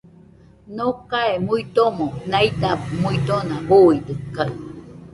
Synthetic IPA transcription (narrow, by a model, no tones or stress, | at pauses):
nokaemuit̪omõnait̪amuit̪onaboid̪ɨkːa